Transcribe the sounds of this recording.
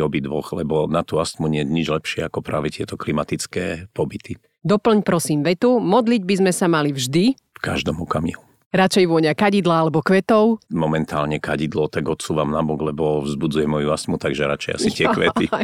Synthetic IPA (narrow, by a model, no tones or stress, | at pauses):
ɔbid̪ʋɔxlɛbɔnat̪uast̪muɲɪɛɲid͡ʒlɛpʃɪɛakɔpɾa̰ːʋɛt̪ɪɛt̪ɔklimat̪it͡skɛːpɔbit̪i | d̪ɔpl̩ɲpɾɔsiːmʋɛt̪umɔd̪liɟ̚bizmɛsamalivʒd̪i | fka̰ʒd̪ɔmɔkamḭːlu | ɾat͡ʃɛjʋʊɔɲakaɟid̪laalɛbɔkʋɛt̪ɔʊmɔmɛnt̪aːlɲɛkaɟid̪lɔt̪aɡɔt̪suːʋamnabɔɡlɛbɔʋzbud͡zujɛmɔjuast̪mut̪aɡʒɛɾa̰t͡ʃɛja̰sit̪ɪɛkʋɛt̪i